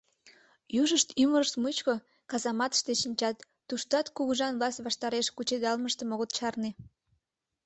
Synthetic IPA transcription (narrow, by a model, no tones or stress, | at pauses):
juʒəʃt̪yməɾəʃt̪mut͡ɕko | kɑzɑmɑt̪ə̥ʃt̪eʃinʲt͡ɕɑt̪ːuʃt̪ɑt̪kuɣuʒɑnβlɑsʲt̪βɑʃt̪ɑɾeʃkut͡ɕed̪ɑlməʃt̪ə̆moɣot̪ʃɑrne